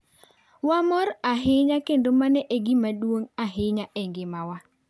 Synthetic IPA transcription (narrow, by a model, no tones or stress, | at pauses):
wamɔɾaɦɪɲakendomanɛʔeɡimadwoŋaɦɪɲaʔɛŋɡɪmawa